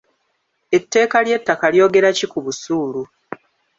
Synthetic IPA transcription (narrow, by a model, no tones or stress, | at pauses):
e̞tːe̞ːkalje̞tːakaljo̞ːɡe̞ɾacikuβusuːlu